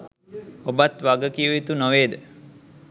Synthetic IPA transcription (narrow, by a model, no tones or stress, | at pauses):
obat̪ʋaɡəkiəʋit̪unoʋeːd̪ə